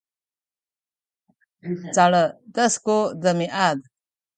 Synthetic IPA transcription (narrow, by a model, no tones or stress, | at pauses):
t͡saɭədəskodəmiʔad̪̚